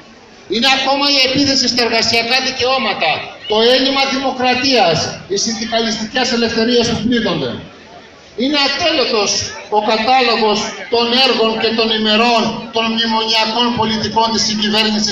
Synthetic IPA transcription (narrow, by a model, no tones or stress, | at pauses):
ine̞ɐko̞mɐie̞piθe̞sist̪ɐeɾɣɐsiɐkɐðice̞o̞mɐt̪ɐt̪o̞e̞nimɐðimo̞kɾɐt̪iɐst̪isind̪ikɐlist̪icese̞le̞fθe̞ɾiɐspupliðo̞nd̪e̞̰ | ine̞ɐt̪e̞lot̪o̞so̞kɐt̪ɐlo̞ɣo̞st̪o̞ne̞ɾɣo̞nce̞t̪o̞nime̞ɾo̞nt̪o̞nmɲimo̞ɲiɐko̞npo̞lit̪iko̞nt̪isiɲɟive̞ɾɲisi